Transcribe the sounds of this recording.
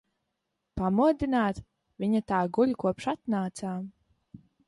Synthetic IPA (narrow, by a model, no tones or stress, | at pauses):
pamuɔd̪ʲinaːt̪ | vʲiɲat̪aːɡulʲkuɔpʃat̪naːt̪saː